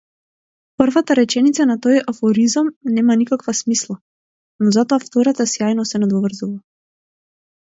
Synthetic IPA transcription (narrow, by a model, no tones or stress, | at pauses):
prvat̪aɾɛt͡ʃɛnit̪sanat̪ɔjafɔɾizamnɛmanikakvasmislˠa | nɔzat̪ɔaft̪ɔɾat̪asjajnɔsɛnad̪ɔvr̩zuva